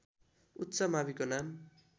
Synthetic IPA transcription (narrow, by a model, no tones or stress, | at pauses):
utːsʌmaβikonam